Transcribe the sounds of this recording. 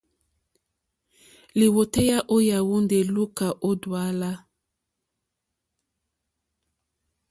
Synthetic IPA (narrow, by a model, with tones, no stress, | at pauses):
li˨wo˨te˦ja˦ʔo˦ja˨wu˦nde˨lu˦ka˨ʔo˦dwa˦la˦